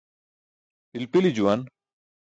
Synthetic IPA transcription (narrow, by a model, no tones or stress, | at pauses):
pilpilid͡ʑuwan